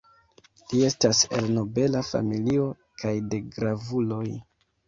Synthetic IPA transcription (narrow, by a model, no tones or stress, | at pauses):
lie̞stase̞̰lno̞be̞lafa̰milio̞ | kʰajde̞ɡɾavulo̞j